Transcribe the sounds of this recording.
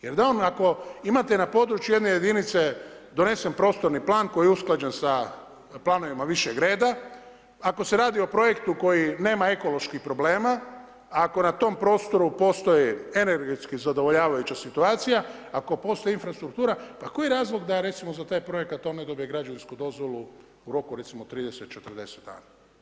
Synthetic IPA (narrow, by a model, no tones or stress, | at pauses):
je̞ɾd̪ao̞nako̞imat̪enapo̞d̪ɾut͡ʃjujenejed̪init̪se̞ | d̪o̞ne̞sempɾo̞ːst̪o̞ɾniplˠaːnko̞jiusklad͡ʒensa | plˠano̞ʋimaʋiʃeɡɾe̞ːd̪a | ako̞se̞ɾaːd̪io̞pɾo̞je̞kt̪uko̞jine̞ːmae̞ko̞lo̞ʃkixpɾo̞ble̞ːma | ako̞nat̪o̞mpɾo̞ːst̪o̞ɾupo̞st̪o̞jie̞neɾɡet̪skizad̪o̞ʋo̞ʎaːʋajut͡ɕasit̪uaːt̪sija | ako̞po̞ːst̪o̞einfɾast̪ɾukt̪uːɾapako̞jiɾaːzlˠo̞ɡd̪aɾe̞t̪simozat̪aːjpɾo̞je̞kat̪ːone̞d̪o̞bije̞ɡɾad͡ʒaʋinskud̪o̞zʋo̞lˠu | uɾo̞kuɾe̞t̪simot̪ɾiːd̪e̞set̪̚t͡ʃet̪ərd̪e̞set̪d̪a̰ːna